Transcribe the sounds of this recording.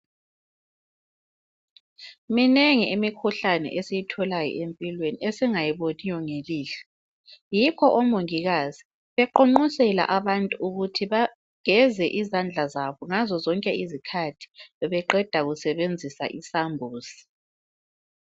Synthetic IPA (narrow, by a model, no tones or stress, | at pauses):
mineŋiʔimikʰuɬanɛ̰ʔesijitʰɔlajɔ̰ʔempʼilweniesiŋajiβonijɔŋeliːɬɛ̥ | jikʰɔʔɔmoŋiɣazi | βɛǃoŋ͡ǃusɛla̰ʔaβantʼuuɣutʰiβa | ɡ̥ʱɛzɛʔizand͡ɮʱazaβɔŋazɔzɔŋkʼɛizikʰatʰi̥βɛǃɛd̥ʱaɣusɛβend͡zʱisa̰ʔisambʱuːsi̥